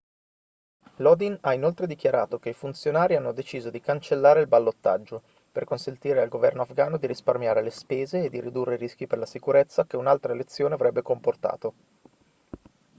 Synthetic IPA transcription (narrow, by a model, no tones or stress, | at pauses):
lɔd̪inainolt̪ɾed̪ik̟jaɾaːt̪ok̟eifunt̪sjonaːɾianːod̪et͡ʃiːzod̪ikant͡ʃelːaːɾeilbalːot̪ːa̰d͡ʒːo | perkonsent̪iːɾealɡovɛrnoafɡaːnod̪iɾisparmjaːɾelespeːzeːd̪ːiɾid̪urːeiɾisk̟iperlasikuɾet̪sːakeunalt̪ɾaelet̪sːjoːneavɾɛbːekomport̪a̰ːt̪o